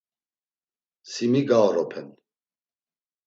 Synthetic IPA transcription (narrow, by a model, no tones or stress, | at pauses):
simiɡaɾɔpʰɛn